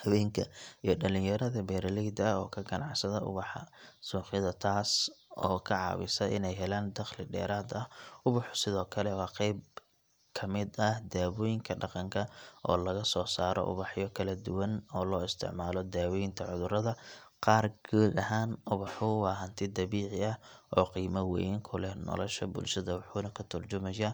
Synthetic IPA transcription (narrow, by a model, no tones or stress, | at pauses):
hɐwɛːŋkʰɐijɞɖɐlɪ̃ŋjɐɾɐðɐbɛːɾɐlɛd̪ɔːkʰɐɡɐnʔɑ̰ʕsɐðɐʔʊ̰βɑħɑ̰suːħɪðɐt̪ʰaːsʔɔ̰ːkʰɐʕɑ̰ːβɪsɐʔɪ̰nɛjɦɛlaːnd̪ɐqlɪɖɛ̰ːɾaːd̪ɐhʔʊβʊħʊ̥sɪðɔːkʰɐlɛwɑːqɛjb̚ | kʰɐmɪd̪ɐhd̪aːβɔːjɪŋkʰɐɖɑqɑŋkʰɐʔɔ̰ːlɐɣɐsɔːsaːɾɔ̰ʔʊ̰βɑħjɔkʰɐlɐd̪ʊwɐnɔːlɔːɪst̪ʰɪ̰ʕmaːlɔd̪aːwɔːjɪnt̪ʰɐʕʊðʊɾɐðɐ | qɑːrɡuːd̪ɐɦaːnʊβɑħʊwɑːɦɐnt̪ʰɪd̪ɐβiːʕɪɐhʔɔːqiːmɐwɛjŋkʰʊlɛhnɔ̰lɔʃɐ̰bʊ̰lʃɐðɐwɑħʊːnɐkʰʊt̪ʰʊrt͡ʃʊmɐjɐ